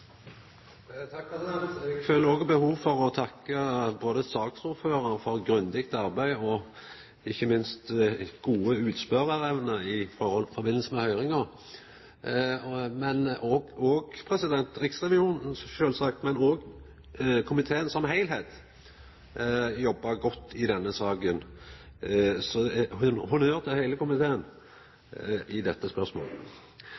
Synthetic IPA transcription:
t̪ʰɑkpɛsɪd̪ɛnt̪ɛɡføːləɾɔːɡbəhuːʋfɔɾɔt̪ʰɑkːəboːd̪əsɑːksuɾføːɾəɾfɔɾɡɾʉnd̪ɪkt̪ɑɾbæɪɔ | ɪçːəmɪnst̪ɡ̥uːəʉːt̪spœɾəɾɛʋnəɪfɔʁɔlfɔʁbɪnl̩səmɛhœʏɾɪŋəʁ | mɛnɔɔːɡpʰɾɛsɪd̪ɛnt̪ɾɪksʁɛʋɪuːnn̩ʃøːlsɑkt̪mɛnoːɡ | kʰʊmɪt̪ʰeːənsɔmɦæɪlheːt̪ | jɔbːɑɡɔt̪ːɪd̪ɛnːəsɑːɡən | sɔhʊnhʊnøːʁt̪ʰɪhæɪləkʊmɪt̪ʰeːən | ɪd̪ɛt̪ːəspœʁsmo̰ːlə

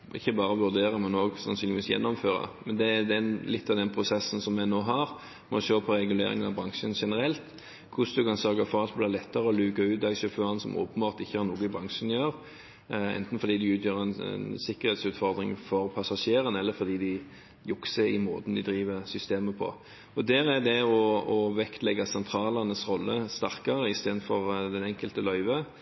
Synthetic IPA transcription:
ʔɪçːəbɑːɾəʋʉɾd̪eːʁəmɛnoːɡsɑ̰nsyːnɪʋiːsjɛ̰nːɔmføːɾɑ̰mɛnd̪ɛd̪ɛnlɪt̪ʰːɑʋd̪ɛnpʰʁʊsɛsːn̩sɔmːɛnoːɦɑɾ | mɔʃøːpʰɔɾɛɡʉlḛːɾɪ̰ŋənɑbɾɑŋʂənʂɛnəɾɛlt̪ | kʰʊsd̪ʉkɑnsøɾɡɑfɔɾɑt̪bliːlɛt̪ːəɾəɔlʉːkɑʉːt̪̚d̪ɑɡsœføːʁənsɔmʔo̰ːpən̩bɑːʁt̪ɪçːəhɑɾnuːɡəɪbɾɑŋʂənjøːʁ | ɛ̰nt̪n̩fɔɾd̪iːd̪ɪʉːt̪jøːʁəɛnɛ̰nsɪkːəɾhɛːt̪sʉːt̪fɔʁd̪ɾɪ̰ŋfɔɾpʰɑsɑʂeːɾənɛlːəɾfɔd̪iːd̪ɪ | jʊksəɪmoːt̪n̩d̪ɪd̪ɾiːʋəʁsʏst̪eːməpʰɔ̰ | ɔd̪æːɾæd̪ɛɔɔʋɛkt̪lɛɡɑsɛnt̪ʰɾɑːlɑnəsʁɔlːəst̪æʁkɑʁəɪst̪eːd̪n̩fɔʁd̪ɛnɛŋkəlt̪əlœʏʋə

